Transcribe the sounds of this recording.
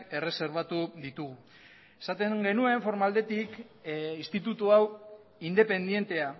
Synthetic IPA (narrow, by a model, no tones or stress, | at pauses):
ke̞re̞se̞ɾβ̞at̪uðit̪uɣu | e̞sat̪e̞ŋɡe̞nue̞ɱfo̞ɾmald̪e̞t̪ik | ist̪it̪ut̪uaw | ind̪e̞pe̞nd̪je̞nt̪e̞a